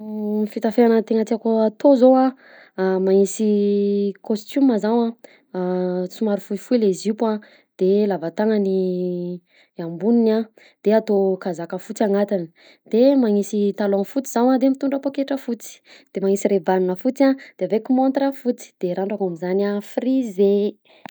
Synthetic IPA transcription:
mifit̪afeanət̪eŋət̪iakoat̪ozoa | maŋisi | kost̪uməzawã | t͡sumaɾufuifuilezipa | d̪̥elavat̪aŋəni | ambunina | d̪̥eat̪okazakəfut͡siaŋat̪ini̥ | d̪̥emaŋisit̪aloanfut͡siz̥awad̪emit̪uɳɖ͡ʐəpokeʈ͡ʂəfut͡si̥d̪̥emaŋisirebanunəfut͡sad̪̥eavekumont̪ɾafut͡si̥d̪̥eɾaɳɖ͡ʐakamizanafrize

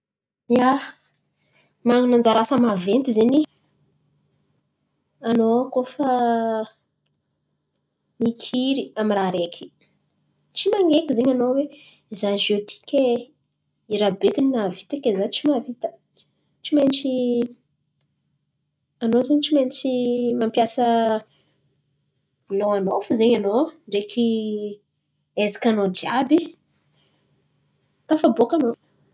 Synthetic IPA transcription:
ia | maŋnand͡zaɾasəmavent̪izeɲi | anokofə | mikʰiɾiamiraɾekʰʲi̥ | t͡ʃimaŋɡekʲizeɲanowe | izanʒot̪ʰi̥kʲe | iɾabekinnavit̪akʲezat͡ʃimavit̪ə̥ | t͡ʃiment͡ʃi | anozaɲt͡ʃiment͡ʃimampjasə | loanofuzeɲanoɖ͡ʐekʲʰi | ezakanod̪iabi | t̪afabokano

